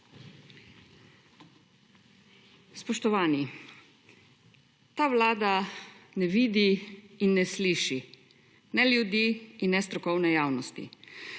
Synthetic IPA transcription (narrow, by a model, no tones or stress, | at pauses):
spɔʃt̪ɔʋaːni | t̪aːʋlaːd̪anɛʋiːd̪iːnːɛsliːʃi | nɛljud̪iːnːɛst̪ɾɔkɔwnɛjaːwnɔst̪ḭ